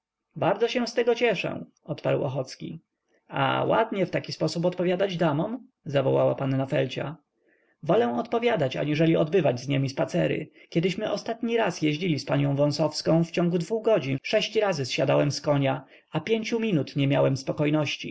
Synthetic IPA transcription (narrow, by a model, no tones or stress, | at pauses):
baɾd̪zɔɕɛ̃st̪ɛɡɔt͡ɕɛʂɛ̰̃ | ɔt̪pa̰ɾwɔxɔt̪skʲḭ | a̰wa̰d̪ɲɛft̪akʲispɔsupɔt̪pɔvʲjad̪ad͡ʑd̪amɔm | zavɔwawa̰panːafɛlt͡ɕa̰ | vɔlɛw̃ɔt̪pɔvʲjad̪at͡ɕa̰ɲiʐɛlʲiɔd̪bɘvad͡ʑzɲemʲispat̪sɛɾɘ̰kʲɛd̪ɘɕmɘʔɔst̪at̪ɲiɾasjɛʑd͡ʑilʲispaɲɔ̃w̃vɔ̃sɔfskɔ̃w̃ft͡ɕɔ̃ŋɡud̪vuɣɡɔd͡ʑinʂɛɕt͡ɕɾazɘsɕad̪awɛmskɔɲa | apʲjeɲt͡ɕumʲinut̪ɲɛmʲjawɛmspɔkɔjnɔɕt͡ɕḭ